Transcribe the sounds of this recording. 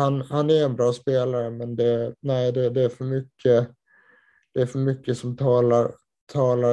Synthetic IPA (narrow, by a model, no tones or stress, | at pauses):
hanhanæɾɛnbɾɑːspeːlaɾəmɛnd̪ɛnæɪd̪ɛd̪ɛːɾfœɾmʏkʰːə | d̪̥ɛæɾfœɾmʏkːəsɔmt̪ʰɑːlaɾ | t̪ʰɑːla